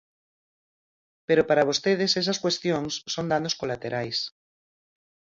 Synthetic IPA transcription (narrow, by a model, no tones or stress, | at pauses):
peɾopaɾaβ̞ost̪eð̞esɛs̬askwest̪joŋsːond̪anoskolat̪eɾajs